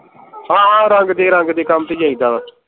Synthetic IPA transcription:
ɦãːɦãːɾəŋɡd̪eːɾə̃ŋɡd̪eːkəmt̪eːd͡ʒãːĩd̪aːbə

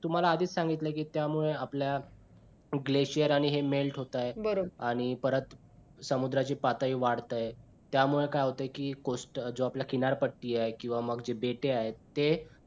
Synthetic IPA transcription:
t̪um̤alaːd̪ʱiːt͡ssãŋɡit̪ləkiːt̪jamuɭeaplja | ɡleɕijəɾaɽ̃iɦemelʈɦot̪ajebəɾobaɽ̃ipəɾət̪ | səmud̪ɾat͡ɕiːpat̪aiːʋaɽt̪aje | t̪jamuɭekajɦot̪ajkiːkosʈd͡zoapljakinaɾpəʈːiːaekĩw̃ʋaməɡd͡ʑebeʈeaɦet̪e

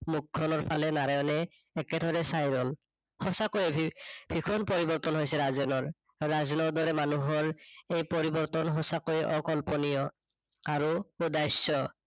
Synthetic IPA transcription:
muk̚kʰːɔnɔɹpʰalɛnaɹajɔnɛː | kɛd̪ʱɔɹɛsajɹɔl | hɔsakojɛbb̥ʱikʰɔnpɔɹibɔɹt̪ɔnɦojsɛɹazɛnɔɹː | azɔnɔd̪ɔɹɛmanuɦɔɹejpɔɹibɔɹt̪ɔnɦɔsakojʔɔkɔlpɔnijɔ | aɹuudajsɔ

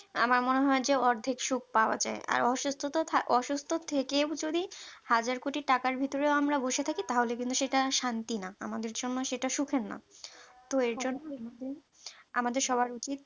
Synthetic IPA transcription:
a̰maɾmoneɦɔed͡ʑeɔɾd̪ʱikʃuk̚ʰpaoa̰d͡ʑa̰ea̰ɾɔʃust̪ʰot̪ot̪ʰaʔɔʃust̪ʰot̪ʰekewd͡ʑod̪ihad͡ʑaɾkoʈiʈakaɾbʱit̪oɾeoamɾaboʃet̪ʰakit̪aɦolekint̪uʃeʈaʃant̪inaamad̪eɾd͡ʑonːoʃeʈaʃukʰenːa̰t̪oeɾd͡ʑonːoamad̪ʱe | a̰mad̪eɾʃɔbaɾut͡ɕit̪̚

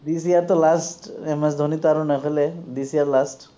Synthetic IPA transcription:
d̪is̬ijaɾt̪ɔlasʈɛmɛs̬d̪ʱɔnit̪ɔaɾunakʰɔjled̪isiaɾlasʈ

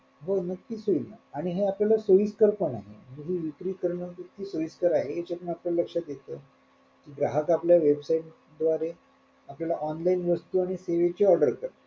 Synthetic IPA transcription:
ɦonək̚t̪iːsoilna̰aɽ̃iɦeapljalasoiskəɾpəɳaɦḛmɦiʋikɾiːkəɾɳəik̪ːiːsoʋiskəɾaɦeːt͡ɕapəɳapljaləkʂat̪jet̪ə | kiɡɾaɦəkapljaʋebsaiʈ̚ | d̪ʋaɾe | apljalaʔɔnlainʋəst̪uːaɽ̃iseʋet͡ɕeɔɾɖəɾkəɾ

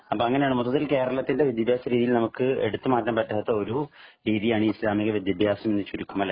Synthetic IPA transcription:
ɐpːoːɐŋːɐneaːɳɨmot̪ːɐt̪ːilke̞ːɾɐɭɐt̪ːindeʋid̪jɐbʱjaːsɐɾiːðijilnɐmukːɨe̞̰ɽut̪ːɨmaːtːɐmpɐtːɐɐt̪ːɐo̞ɾuɾiːðijaːɳɨislaːmiɣɐʋid̪jɐbʱjaːsɐme̞nːɨt͡ɕuɾukːumɐle

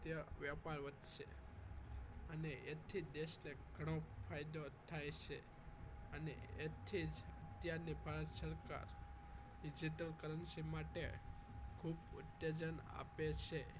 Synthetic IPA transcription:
jəʋjəpaɾʋəd̪ʃḛ | əneʔet̪ʰid̪eʃneɡʱəɽ̃õpʰajd̪ot̪ʰajt͡ʃʰe | ənḛet̪ʰid͡ʒət̪jaɾnibʱaɾət̪səɾka̰ɾ | ɖid͡ʒiʈəlkəɾənsimaʈḛ | kʰubṵt̪jed͡ʒəna̰pet͡ʃʰe

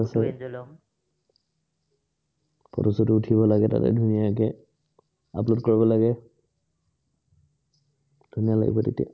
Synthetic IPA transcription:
asɔ | pɔ̰tɔsɔtʊtʰibɔlaɡɛta̰tɛ̰dʱunijak̬ɛ | a̰plotkoɹibɔlaɡɛ | d̥ʱunijala̰ɡḭbɔtetia̰

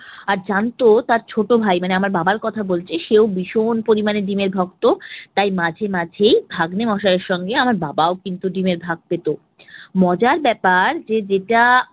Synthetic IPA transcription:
aɾd͡ʑant̪ot̪aɾt͡ɕʰoʈobʱajmaneamaɾbabaɾkɔt̪ʰabolt͡ɕʰeʃeobiʃonpoɾimaneɖimeɾbʱɔk̚t̪ot̪ajmad͡ʑʱemad͡ʑʱejbʱaɡnemɔʃaɾeɾʃɔŋɡeamaɾbabaokint̪uɖimeɾbʱaɡ̚pet̪o | mɔd͡ʑaɾbɛpaɾd͡ʑed͡ʑeʈa

